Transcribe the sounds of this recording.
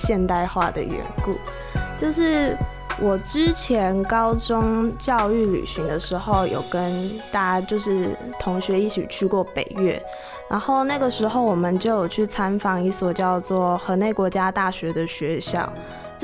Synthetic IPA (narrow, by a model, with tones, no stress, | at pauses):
ɕjɛ˥˧nt̪a˥˧ɪxwa˥˩d̪ə̰˩ɥɛ̰˧˥nkṵ˥˩ | t͡ɕjo˥˧ʊʂɻ̩˥˩ | wʔɔ˨˩ʈ͡ʂɻ̩˦t͡ɕʰjɛ˧˥˦nkɑ˥ʊʈ͡ʂʊ˥ŋt͡ɕjɑ˥˧ʊy˥˩ly̰˨˩ɕi˧˥ŋd̪ə˧ʂɻ̩˧˥xo˥˩ʊjo̰˨˩ʊkə˦nt̪a˥˦t͡ɕjo˥˧ʊʂɻ̩˥˩t̪ʰʊ˧˥ŋɕɥɛ˨˧˥i˥˩t͡ɕʰḭ˨˩t͡ɕʰy˥kwɔ˥˩pe˨˩ɪɥɛ̰˥˩ | na˧˥nxo˥˩˧ʊna˥˩ɡə˩ʂɻ̩˧˥xo˥˩ʊwɔ˨˩mə˦nt͡ɕjo˥˩ʊjo˨˩ʊt͡ɕʰy˥˩t͡sʰa˥nfɑ˧˥ŋi˥˩swɔ˨˩t͡ɕjɑ˥˧ʊt͡swɔ˥˩xɤ˧˥ne˥˩ɪkwɔ˧˥t͡ɕja˥t̪a˥˩ɕɥɛ˧˥d̪ə˨ɕɥɛ˧˥ɕjɑ̰˥˩ʊ